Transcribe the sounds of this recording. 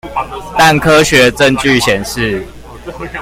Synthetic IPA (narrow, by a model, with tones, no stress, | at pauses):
t̪a˥˨nkʰɤ˦ɕɥɛ˨˦ʈ͡ʂə˥˨nt͡ɕy˥˨ɕjɛ˨˩nʂɻ̩˥˨